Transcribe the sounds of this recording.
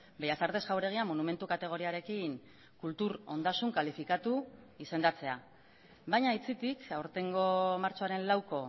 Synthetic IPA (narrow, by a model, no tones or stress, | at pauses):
be̞jasaɾðe̞sɡawɾe̞ɣ̞iamonume̞nt̪ukat̪e̞ɣ̞o̞ɾiaɾe̞kiŋ | kult̪uɾo̞̰nd̪asuŋkalifikat̪uise̞nd̪at͡se̞a̰ | bajɲait͡sit̪ikawɾt̪e̞ŋɡo̞maɾt͡soaɾe̞nlawko̞